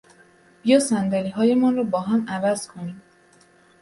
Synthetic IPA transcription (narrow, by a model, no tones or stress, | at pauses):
b̥ijɒːsænd̪æliɦɒːje̞mɒnrɒːbɒːɦæmævæz̥kʰo̞niːm